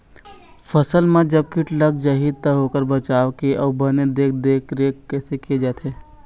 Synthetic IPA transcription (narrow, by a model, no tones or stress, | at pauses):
fʰəsəlmẽd͡ʒɐb̚kiʈləkd͡ʒɐɦiːd̪̚t̪aɦoːkəɾbət͡ʃaːʋkiʔɔːbɐned̪eːk̚ʰd̪eːkʰɾeːkkɛːsekied͡ʒaːt̪ʰeː